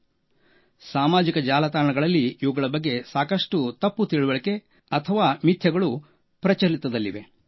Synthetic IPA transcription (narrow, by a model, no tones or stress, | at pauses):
saːmaːd͡ʒikɐd͡ʒaːlɐt̪aːɾɐɳɐɡɐɭɐlːiːʋuɡɐɭɐbɐɡːe̞saːkɐʂʈut̪ɐpːut̪iɭuʋɐɭɐke̞ | ɐt̪ʰɐʋaːmit̪ʰjɐɡɐɭu | pɾɐt͡ʃɐɾit̪ːɐd̪ɐlːḭʋe̞̰